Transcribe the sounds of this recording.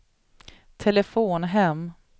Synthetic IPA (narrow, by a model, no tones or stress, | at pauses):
t̪ʰɛləfoːnɦɛm